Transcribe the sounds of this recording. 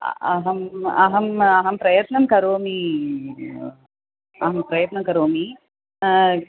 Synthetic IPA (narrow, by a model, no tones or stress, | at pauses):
ɐɦɐmɐ̰ɦɐmɐɦɐmpɾɐjɐt̪nɐmkɐɾoːmi | ɐɦɐmpɾɐjɐt̪nɐmkɐɾoːmi